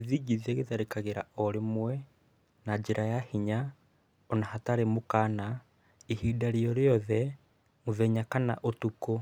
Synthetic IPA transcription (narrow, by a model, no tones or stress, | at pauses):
ðiɡiðiɛɣeðaɾekaɣeɾa̰ɔɾemwɛ | nad͡ʒeɾʔajahiɲa | ɔnahataɾemokaːna | ihidaɾeɔɾeɔðɛ | moðɛɲakana̰ʔotuko